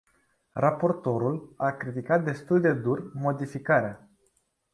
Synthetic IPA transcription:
rapo̞rt̪o̞ɾulakɾit̪ikat̪̚d̪e̞st̪uld̪e̞d̪urmo̞d̪ifikaɾea

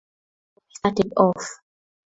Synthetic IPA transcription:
statɛdɔf

